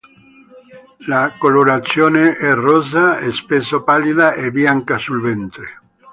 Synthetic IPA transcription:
lakoloɾat̪sːjoːneʔɛrɔzaɛspesopaliðaʔebjaŋkasulvɛnt̪ɾe

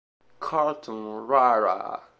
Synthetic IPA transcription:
kʰaltʰɔ̃nɾaɾa̰

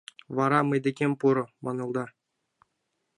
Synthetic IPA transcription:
vɑɾɑmɘ̆jd̪ʲĕkʲemʲpuɾɤ̆mɑnɤ̆lˠd̪ɑ

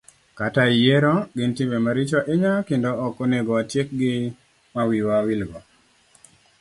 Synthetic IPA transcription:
kataijeɾɔɡɪntɪmemaɾɪt͡ʃɔʔɪɲakɪndɔːkoneɡɔatjek̚ɡɪ | mawiwawilɡɔ

